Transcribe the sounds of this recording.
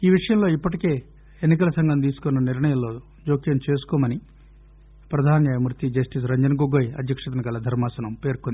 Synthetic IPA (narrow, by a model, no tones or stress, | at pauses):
iːʋiʂɐjɐmlo̞ːipːɐʈ̬ike̞ː | enːik̬ɐlɐsɐŋɡɐnt̪iːsu̥konːɐniɾɳɐjɐmlo̞ː | d͡ʒoːkijɐnt͡ʃe̞ːsu̥kɔːmɐni | pɾɐd̪ʱaːnjaːjɐmɾut̪id͡ʒɐsʈis̬ɾɐɲd͡ʒɐnɐɡoɡoːjɐ̰d̪ʱjɐkʂɐt̪ɐnɐɡɐlɐd̪ʱɐɾmaːsɐnɐmpe̞ːɾkond̪i